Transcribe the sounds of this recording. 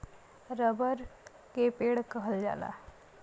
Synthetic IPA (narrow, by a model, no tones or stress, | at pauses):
ɾəbəɾ | kepeːɽkəɦəld͡ʒa̰ːla̰ː